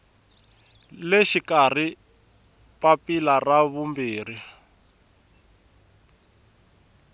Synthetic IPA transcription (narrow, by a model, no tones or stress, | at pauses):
leʃikari | papilaraβumbiːri